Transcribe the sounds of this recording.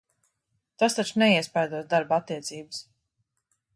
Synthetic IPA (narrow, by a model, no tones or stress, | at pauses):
t̪ast̪at͡ʃnɛiɛspajd̪uɔsd̪aɾbat̪ːiɛt̪siːbɨs